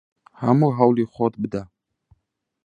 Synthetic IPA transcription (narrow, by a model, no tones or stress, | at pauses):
hamuɦawliχɔt̪̚bəd̪a